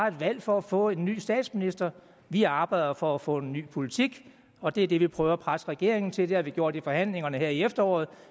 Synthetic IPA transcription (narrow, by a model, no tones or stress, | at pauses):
ɑ̈e̝d̥ʋæl̰fɒ̽æfɔ̰̽ːe̝nːy̰ːsd̥ɛ̰ːd̥sminisd̥ɐ | ʋiɑ̈ːb̥ɑ̈ɪ̰dˠɐfɒ̽æfɔ̰̽ːe̝nːy̰ːpʰo̝lit͡sʰiɡ̥ | ɒ̽d̥e̝ɐd̥e̝ʋipʰʁœːʊæpʰʁasəʁɛɡ̥e̝ɐe̝ŋn̩t͡sʰe̝d̥eæʋiɡ̥jo̝̰ɐ̰d̥ifɒ̽hæn̰le̝ŋɐnəheɐiefd̥ɐɒ̰ːð̩ˠ